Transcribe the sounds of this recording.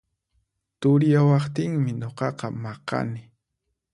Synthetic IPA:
t̪ʊɾjawɑχt̪ɪŋmɪɲoqɑqɑmɑqɑ̰nɪ

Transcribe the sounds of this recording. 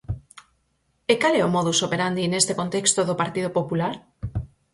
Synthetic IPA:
ekalɛomɔðusopeɾand̪inest̪ekont̪ekst̪oðopaɾt̪iðopopulaɾ

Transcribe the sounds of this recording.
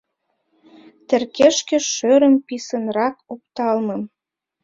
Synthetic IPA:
t̪ĕrkeʃkĕʃøɾə̆mpisənrɑkop̚t̪ɑlmɤ̆m

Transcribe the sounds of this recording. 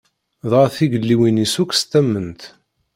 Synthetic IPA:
ðˤɑɾθiɡəlːiwinisukːst̪æmːənt̪

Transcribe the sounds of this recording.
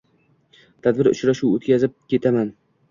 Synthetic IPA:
t̪ʰad̪bɪɾʊ̰t͡ʃɾaʃuwot̪kʲazɪp̚kʲʰe̞t̪ʰaman

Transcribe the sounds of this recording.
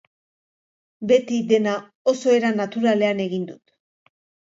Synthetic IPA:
be̞t̪id̪e̞na | o̞so̞e̞ɾanat̪uɾale̞ane̞ɣind̪ut̪

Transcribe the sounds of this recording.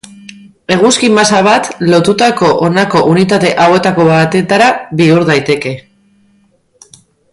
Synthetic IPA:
e̞ɣ̞uskimasaβat̪lo̞t̪ut̪ako̞ʔonako̞ʔunit̪at̪e̞ʔawe̞t̪ako̞βat̪e̞t̪aɾaβiuɾðajt̪e̞ke̞

